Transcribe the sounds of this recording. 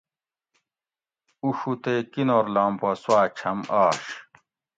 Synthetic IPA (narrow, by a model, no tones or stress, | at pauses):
uʂut̪ekinoːɾlaːmposwaːt͡ɕʰɐmaːɕ